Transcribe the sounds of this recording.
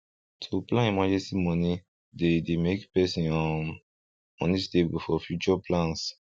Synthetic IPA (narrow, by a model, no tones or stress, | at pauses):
tʰuplãĩmãd͡ʒesimɔ̃ni | dedemekpɛsĩnã | ɔ̃nistebufɔfjut͡ʃɔplãns